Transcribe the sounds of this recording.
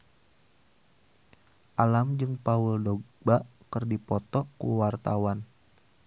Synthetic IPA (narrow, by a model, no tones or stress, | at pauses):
ʔalamd͡ʒɨŋpauldoɡbaʔkərdipɔt̪ɔkṵwart̪awan